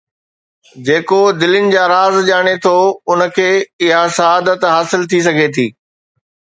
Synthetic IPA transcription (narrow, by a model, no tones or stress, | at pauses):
d͡ʑeːkod̪ɪlɪnɪ̆d͡ʑaːɾaːzʄaːɽ̃et̪ʰoʊnəkʰeːɪɦasɐɦaːd̪ət̪ɦaːsɪlt̪ʰis̬ɐɡʱet̪ʰiː